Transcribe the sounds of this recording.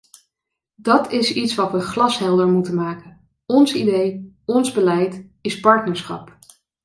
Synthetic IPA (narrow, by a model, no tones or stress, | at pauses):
dɑtʰɪsitsʋɑtʋəχlɑsɦɛlˠdəɹmutənmaːkən | ɔnsidej | ɔnzbəlɛjtɪspɑɹtnəɹsχɑ̰p